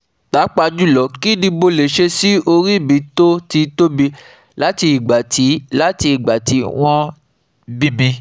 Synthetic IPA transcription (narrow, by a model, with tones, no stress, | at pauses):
ta˨˦k͡pa˧d͡ʒu˦˨lɔ˨˦ki˦di˧bo˧le˨ʃe˧si˦o˧ɾi˦˨bĩ˨˦to˦ti˧to˦bi˧ | la˦ti˧i˨ɡ͡ba˨tʰi˨˦la˦ti˧i˨ɡ͡ba˨ti˨˦w̃ɔ̃˦ | bi˦bĩ˧